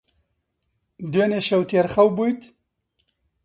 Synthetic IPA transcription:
d̪weneʃɐwt̪ʰeɾxɐwbujt̪

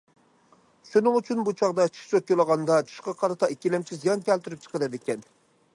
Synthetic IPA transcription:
ʃunɪŋyt͡ʃʰynbut͡ʃʰɑʁd̪ɑt͡ʃʰi̥t͡ʃot̪̚jolˠəʁɑnd̪ɑt͡ʃʰu̥ʃqɑqʰɑɾɨt̪ʰɑikʲːilɛmt͡ʃʰizijɑnkʲɛlt̪yɾyp̚t͡ʃʰə̥qəɾɛd̪ɪkʲɛn

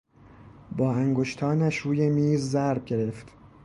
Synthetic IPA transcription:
bɒːæŋɡoʃt̪ʰɒːnæʃɾuːjemiːzːæɾb̚ɟe̞ɾe̞ft̪

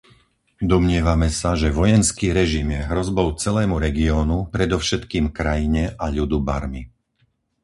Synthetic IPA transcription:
d̪ɔmɲɪɛʋamɛsaʒɛʋɔjɛnskiːɾɛʒimjɛɦɾɔzbɔʊt͡sɛlɛːmuɾɛɡiɔːnupɾɛd̪ɔʊʃɛt̪kiːmkɾajiɲɛʔaʎud̪uba̰ɾmi

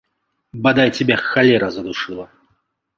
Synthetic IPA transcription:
bɐd̪ajtʲɪbʲaxalʲɛɾɐzɐd̪uʂɨlˠɐ

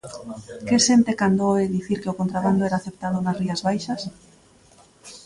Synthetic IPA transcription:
kesent̪ekand̪oeðiθiɾkeʊkont̪ɾaβand̪oɛɾaːθep̚t̪aðʊnasriazβajʃɐs

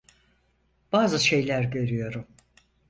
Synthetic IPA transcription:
b̥aːzɯʃe̞jlʲæɾɟø̞ɾyjo̞ɾum

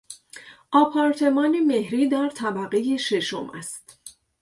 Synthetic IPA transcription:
ʔɒːpʰɒːɾt̪ʰe̞mɒːneme̞hɾiːd̪æɾt̪ʰæbæɣe̞jeʃe̞ʃo̞̰mʔæ̰st̪

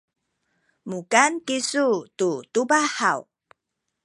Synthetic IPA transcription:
mukankisututubahaw

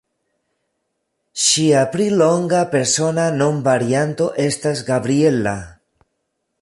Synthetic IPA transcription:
ʃiapɾilo̞ŋɡape̞ɾso̞nano̞nvaɾiant̪o̞ʔe̞stasɡabɾie̞la

